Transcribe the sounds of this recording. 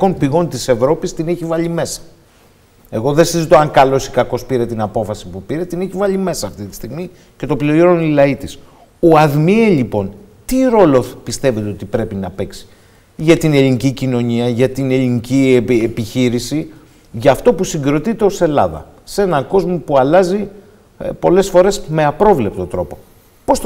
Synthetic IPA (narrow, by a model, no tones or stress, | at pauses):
o̞npiɣo̞nt̪ise̞vɾo̞pist̪ineçivɐʎime̞sɐ̥ | e̞ɣo̞ðesizit̪o̞ɐŋkɐlo̞si̥kɐko̞spiɾe̞t̪inɐpo̞fɐsipupiɾe̞t̪ineçivɐʎime̞sɐːft̪it̪i̥st̪iɣmi | ce̞t̪o̞pliooɾonlilɐit̪is | oɐðmieʎipo̞n | t̪iɾo̞lo̞pist̪e̞ve̞t̪eo̞t̪ipɾe̞pinɐpe̞ksi̥ | ʝɐt̪ine̞linicicino̞ɲiɐʝɐt̪ine̞ʎiniciepiçiɾisi | ʝɐːft̪o̞pusiŋɡɾo̞t̪it̪e̞o̞se̞lɐðɐ̰ | se̞nɐko̞zmo̞puɐlɐzi | po̞le̞sfo̞ɾe̞sme̞ɐpɾo̞vle̞p̚t̪o̞t̪ɾo̞po | po̞s